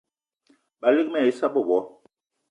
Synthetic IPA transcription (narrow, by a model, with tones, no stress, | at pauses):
ɓa˨li˦kmɛ˦˨i˦sa˦bə˦˨bɔ˨˦